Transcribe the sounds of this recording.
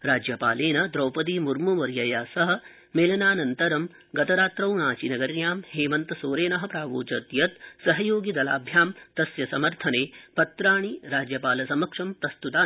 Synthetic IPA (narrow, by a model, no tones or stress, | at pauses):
ɾaːd͡ʒjɐpaːleːnɐd̪ɾɐwpɐd̪̬imuɾmumɐɾjɐjaːsɐɦɐ̆ | meːlɐnaːnɐnt̪ɐɾɐm | ɡɐt̪ɐɾaːt̪ɾɐwnaːt͡ʃinɐɡɐɾnjaːmheːmɐnt̪ɐsoːɾeːnɐɦɐ̆pɾaːʋo̰ːt͡ʃɐt̪jɐt̪sɐɦɐjoːɡid̪ɐlaːbʱjaːmt̪ɐsjɐsɐmɐɾt̪ʰɐneːpɐt̪ɾaːɳ̃iɾaːd͡ʒjɐpaːlɐsɐmɐkʂɐmpɾɐst̪ut̪aː